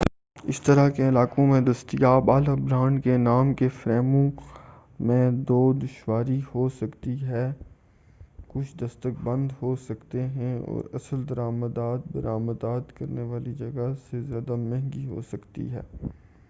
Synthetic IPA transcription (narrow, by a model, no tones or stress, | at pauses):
ɪst̪ɐɾakeɪlaːkõmẽd̪ɐst̪ijaːbaːləbɾaːɳɖkenaːmkefɾɛːmõ | mẽd̪oːd̪ʊʃwaːɾihosɐkt̪iɦɛː | kʊt͡ʃʰd̪ɐst̪əkbɐ̃nd̪hosɐkt̪eɦɛ̃ɔ̰ːɾɐ̰səld̪ɐɾaːməd̪aːt̪̚bɐɾaːməd̪aːt̪kɐɾneʋaːlid͡ʒɐɡasezjaːd̪amɛ̃ɦŋɡiɦo̰sɐkt̪ḭɦɛ̰ː